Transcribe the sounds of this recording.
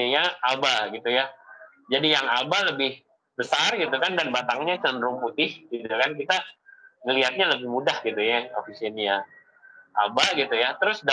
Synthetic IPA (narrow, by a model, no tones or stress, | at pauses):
jaabaɡit̪uja | d͡ʒadijaŋabaləbɪh | bəsarɡit̪ukandanbat̪aŋɲat͡ʃənɾʊŋput̪ɪhɡ̥it̪ukankit̪aŋəliɦat̪̚ɲaləbɪhmudahɡit̪ujaofisiənja | ʔabaɡit̪ujat̪əɾʊsda